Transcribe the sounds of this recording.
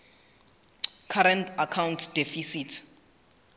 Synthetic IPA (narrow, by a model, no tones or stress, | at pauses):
kʰaɾɛntʰakʰawntʰd̥efisitʰ